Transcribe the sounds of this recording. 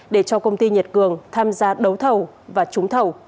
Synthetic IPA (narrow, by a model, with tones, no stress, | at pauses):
ɗe˧˩t͡ɕɔ˧kə˧wŋ͡mt̪i˧ɲi˨˩t̚kɨ˨˩əŋt̪ʰaː˧mzaː˧ɗə˨˦wt̪ʰə˨˩w | vaː˨˩t͡ɕʊ˨˦ŋ͡mt̪ʰə˨˩w